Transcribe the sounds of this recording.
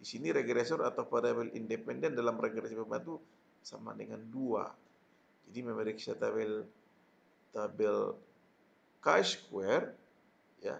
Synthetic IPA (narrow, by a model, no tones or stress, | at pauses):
disiniɾɛɡɾɛsɔrat̪aupadabɛlḭndɛpɛndɛndalamrɛɡɾɛsɔpəbat̪u | sama̰dəŋandua̰ | d͡ʒadimamɛɾiksiat̪aβɛl | t̪abɛl | kaskuɛr | ja̰